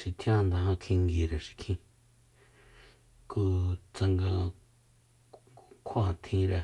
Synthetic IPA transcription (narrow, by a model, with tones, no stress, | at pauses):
ʃi˨t̪ʰj̃ã˦˧nd̪a˧hã˧kʰĩ˧ŋɡi˨ɾe˨ʃi̥˨kʰĩ˧ | ku˧t͡sa˧ŋɡa˧ | kʰã˦˨t̪ʰĩ˧ɾa˧